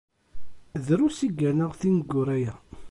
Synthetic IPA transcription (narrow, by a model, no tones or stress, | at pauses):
ðɾusiɡːənəʁθinɡːʊɾæjæ